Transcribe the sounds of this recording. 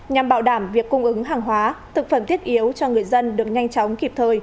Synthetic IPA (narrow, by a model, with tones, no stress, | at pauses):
ɲa˨˩mɓaː˧˩wɗaː˧˩mvi˨˩əkːʊ˧ŋ͡mʔɨ˨˦ŋɦaː˨˩ŋɦwaː˨˦t̪ʰɨ˨˩k̚fə˧˩mt̪i˦˥ət̚ʔi˨˦əwt͡ɕɔ˧ŋɨ˨˩əjzə˧nɗɨ˨˩ək̚ɲa˧jŋ̟t͡ɕɔ˨˦wŋ͡mki˨˩p̚t̪ʰəː˨˩j